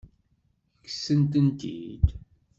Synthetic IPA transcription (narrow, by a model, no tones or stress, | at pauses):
kːə̥sːənt̪ənt̪ḭd̪